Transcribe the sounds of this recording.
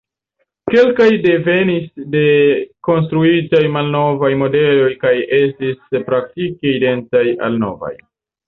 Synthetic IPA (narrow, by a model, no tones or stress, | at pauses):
ke̞lkajde̞ve̞nisde̞ko̞ns̬tɾuitajmalno̞vajmo̞de̞lo̞jkaje̞stispɾak̚tikeide̞nt͡saja̰lno̞̰va̰j